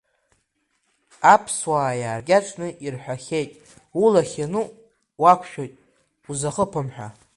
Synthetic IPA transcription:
apʰswaːjaːrɡʲaʈ͡ʂʼnɨʔirħʷᶣaχʲejtʼ | ulaχʲanɨ | wakʷʰʃᶣojtʼ | uzaχəpʰɨmħʷᶣa̰

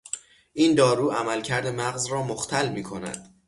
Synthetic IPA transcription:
ʔiːnd̪ɒːɾuːæmælcʰæɾd̪e̞mæɣzrɒːmoxt̪ʰælmiːkʰo̞næ̰d̪̥

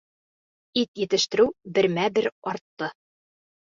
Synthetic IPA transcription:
it̪jɘ̆t̪ɘ̆ʃt̪ɘ̆ɾɘwbɘ̆ɾmæbɘɾɒɾt̪ːɤ

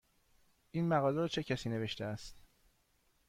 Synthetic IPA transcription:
ʔiːnmæɣɒːleɾt͡ʃʰe̞cʰæsiːne̞ve̞ʃt̪ʰeæst̪

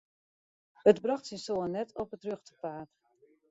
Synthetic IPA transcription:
ətbrɑχtsinsoənːɛtʰɔpətrøχtə̥paːt

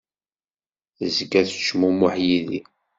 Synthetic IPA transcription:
əzɡæθʃmumʊħjiðḭ

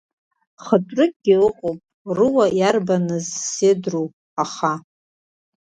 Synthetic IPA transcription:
χətʼrɨkʼɡʲɪɨqʼowpʼrɨwajarbanɨzsedruw | aχa

